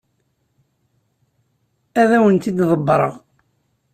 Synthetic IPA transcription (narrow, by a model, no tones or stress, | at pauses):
æðæwənt̪id̪ðˤəbːɾˤə̰ʁ